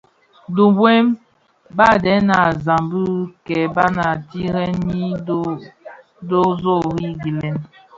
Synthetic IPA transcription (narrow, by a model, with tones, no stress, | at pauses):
du˨bwe˦m | ba˦˨dɛ˨˦na˨za˨mbu˦kɛ˨ba˦na˨ti˦ɾɛ˦nːi˦ | do˦zo˦˨ɾi˦ɡi˨lɛ˦n